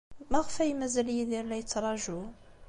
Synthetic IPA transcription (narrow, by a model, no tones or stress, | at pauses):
mæʁəfæjmæzæljiðiɾlæjət͡sːɾˤɑʒu